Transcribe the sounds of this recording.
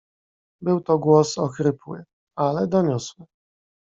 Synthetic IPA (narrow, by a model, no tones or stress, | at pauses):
bɘwt̪ɔɡwɔsɔkɾɘpwɘ̰ | alɛd̪ɔɲɔswɘ